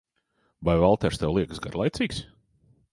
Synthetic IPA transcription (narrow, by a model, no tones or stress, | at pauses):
vajvalˠt̪ɛɾst̪ɛwlˠiɛksɡa̰ɾlˠajt̪siːks